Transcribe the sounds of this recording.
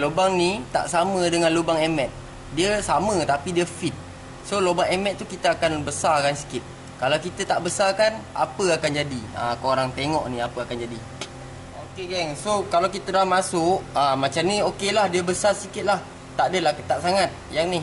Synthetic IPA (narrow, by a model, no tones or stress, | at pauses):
lobaŋnit̪a̰ʔsamə̃dəŋãnlobaŋɛmɛt̪̚ | diəsamə̃t̪apidiəfit̪̚ | solobaŋɛmɛt̪̚t̪ːukit̪əakanbəsarkansi̥kɪt̪̚ | kalawkit̪ət̪aʔbəsakana̰pəakand͡ʒadiə̰koɾaŋt̪eŋɔ̰ʔniapəakand͡ʒadi | okeɡɛŋsokalawkit̪ədaamasʊʔəmat͡ʃamniokelahdiəbəsarsikɪt̪̚lah | t̪aʔdəlahkət̪aʔsaŋat̪̚jaŋnɪh